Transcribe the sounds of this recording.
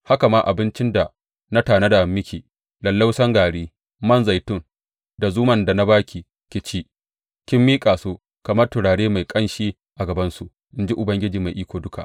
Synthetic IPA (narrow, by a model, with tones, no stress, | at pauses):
ha˦ka˨maː˦ʔa˨bɪ˦nt͡ʃɪ˦nda˨ | na˦taː˨na˦da˨mːɪ˦kʲi˨ | lɐ˨lːa˦wsɐ˦ŋɡaː˨ɽiː˦ | mɐ˦nza˨jtʊ˦ŋ | da˨zuː˦mɐ˨nda˨na˦baː˦kʲʰi˨ | kʲɪ˨t͡ʃiː˦ | kʲɪ˦mːiː˦kʼaː˨soː˦ | kɐ˨mɐ˦rtʊ˨ɽaː˨ɽeː˦ma˨jkʼɐ˦nʃiː˦ | ʔa˨ɡɐ˨bɐ˦nsu˨ʔ | ʔɪ˦nd͡ʒi˦ʔʊ˨bɐ˦ŋɡʲɪ˦d͡ʒiː˨ma˨jʔiː˦kʷoː˨dʊ˦kʰa̰˨ʔ